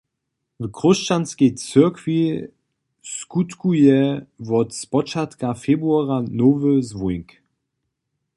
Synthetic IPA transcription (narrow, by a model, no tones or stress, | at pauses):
vkʁɔst͡ʃanskejt͡səɐkvi | skutkujɛvɔtspɔt͡ʃatkafebʁuaʁanoːvəzvujŋk